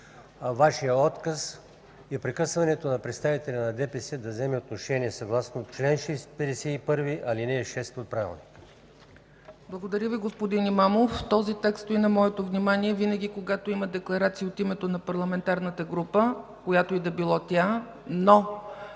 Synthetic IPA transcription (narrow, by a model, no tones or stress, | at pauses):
vaʃijəɔt̪kəs | ɛpɾɛkɤsvɐnɛt̪onɐpɾɛt̪st̪avit̪ɛlʲɐnɐd̪ɛpɛsɛd̪ɐvzɛmɛot̪̚noʃɛniɛsɐɡlˠasnot͡ʃlɛnʃɛspɛd̪ɛsɛipɤɾviʔɐlinɛːʃɛst̪ot̪̚pɾavʲɛ̰lˠnik | blˠɐɡod̪ɐɾʲəviɡospod̪inimamoft̪ɔzit̪ɛkst̪oinɐmɔɛt̪ovnimaniɛvinəɡʲikoɡat̪oiməd̪ɛklˠɐɾat̪siːot̪imɛt̪onɐpɐɾlˠɐmɛnt̪aɾnət̪əɡɾupəkojat̪oid̪ɐbilˠɔt̪ʲa | no